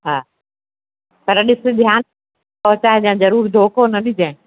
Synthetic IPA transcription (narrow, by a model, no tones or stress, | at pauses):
ɦaː | pɐɾɗɪsɪ̆d̪ʱjaːn | pɐɦʊt͡ɕaːɦed͡ʑãːzɐɾuːɾd̪ʱoːkonɐɗɪd͡ʑẽː